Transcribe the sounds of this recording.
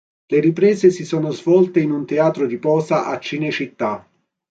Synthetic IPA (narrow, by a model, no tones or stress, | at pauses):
leɾipɾɛːzesisɔːnozvɔlt̪einunt̪eaːt̪ɾod̪ipɔːzaʔat͡ʃːinet͡ʃit̪ːa